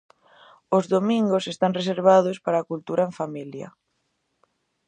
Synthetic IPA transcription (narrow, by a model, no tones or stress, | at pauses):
ozðomĩŋɡosest̪aŋres̬eɾβ̞aðospaɾaːkult̪uɾaẽɱfamiljɐ̰